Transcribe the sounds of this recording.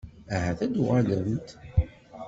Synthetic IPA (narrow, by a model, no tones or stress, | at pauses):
æɦæθæd̪uʁæləmt̪